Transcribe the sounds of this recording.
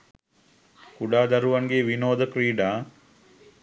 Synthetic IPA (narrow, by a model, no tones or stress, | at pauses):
kuɖaːd̪ɐɾuʋɐŋɡeʋinoːd̪əkɾiːɖaː